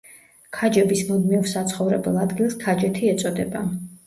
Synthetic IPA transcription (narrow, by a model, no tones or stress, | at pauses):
kʰad͡ʒɛbismud̪miɔɾsat̪sʰχɔvɾɛbɛlˠad̪ɡilˠskʰad͡ʒɛt̪ʰiɛt̪sʼɔd̪ɛba